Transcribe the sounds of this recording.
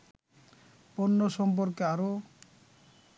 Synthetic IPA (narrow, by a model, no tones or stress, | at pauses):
ponːoʃɔmp̬oɾkeaɾo